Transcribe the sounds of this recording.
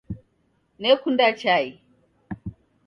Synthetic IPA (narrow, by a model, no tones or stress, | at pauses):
nekundat͡ʃaji